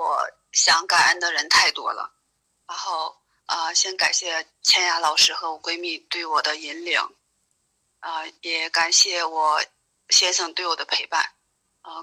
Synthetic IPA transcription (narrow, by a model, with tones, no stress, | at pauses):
wɔ˨˩˦ | ɕjɑ˧˥ŋka˨˩na̰˥˩nd̪ə˩ɻə˧˥nt̪ʰa˥˩ɪt̪wɔ̰˥lə̰˧˩ | ɻa˧˥nxo˥˩˧ʊ | ə˧ɕjɛ˥nka˨˩nɕjɛ˥˩ | t͡ɕʰjɛ˥nja˧˥lɑ˨˩ʊʂɻ̩˥xɤ˧˥wɔ˨˩kwe˥ɪmi˥˧t̪we˥˩ɪwɔ˨˩d̪ə˦i˧˥nlḭ˧˥ŋ | ə˧jɛ˨˧˩ka˨˩nɕjɛ˥˩wɔ˨˩˦ | ɕjɛ˥nʂɤ˨˩ŋt̪we˥˩ɪwɔ˨˩d̪ə˦˥pʰe˧˥ɪpa̰˥˩n | ə˧